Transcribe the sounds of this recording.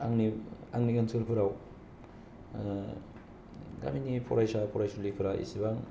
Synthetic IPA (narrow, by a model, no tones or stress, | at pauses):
aŋniaŋniɡansʰolpʰɯɾaw | ɡa̰minipʰɔɾajsapʰɔɾajsolipʰɯɾaʔḭsibaŋ